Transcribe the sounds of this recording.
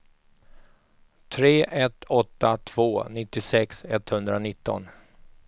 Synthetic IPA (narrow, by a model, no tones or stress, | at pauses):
t̪ʰɾeːʔɛt̪ːɔt̪ːat̪ʰv̥oːnɪt̪ːɪsɛksɛt̪hɵnd̪ɾanɪt̪ːɔ̰n